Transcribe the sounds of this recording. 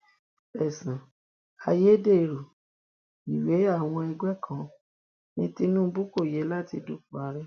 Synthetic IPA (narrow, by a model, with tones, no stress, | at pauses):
ɛ˨sã˨ | a˧je˦de˦˨ɾo˨ | i˨we˨˦a˦˨w̃ɔ̃˧ɛ˧ɡɛ˦˨kʰã˨˦ | nĩ˧ti˧nũ˦bu˦ko˦˨jɛ˨˦la˦˨ti˧du˦fu˨˦a˨˧˦ɾɛ˦